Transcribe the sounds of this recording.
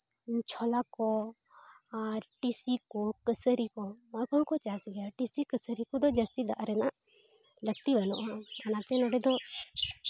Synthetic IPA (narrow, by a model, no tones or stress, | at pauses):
t͡ʃʰɔlakɔ | aɾʈisikukəsəɾikɔməkɔkɔt͡ʃasiɡaʈisikəsəɾikɔd̪ɔd͡ʒəst̪id̪a̰ʔɾɛnaʔ | ləɡ̚t̪ibanɔʔanat̪ɛnɔɖɛd̪ɔ